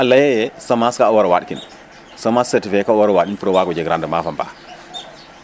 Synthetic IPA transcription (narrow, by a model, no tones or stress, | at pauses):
ʔalːajɛjɛsamaskaɔwɔɾɔwaɗkin | sɔmasːɛtifɛkawɔɾɔwaɗinpuɾɔwaɡɔd͡ʒɛɡɾandɛmafamba̰